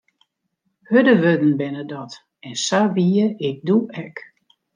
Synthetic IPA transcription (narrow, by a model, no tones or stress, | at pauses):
hødəʋødn̩bɪnədɔt | ɛnsaʋiəɪk̚duʔɛk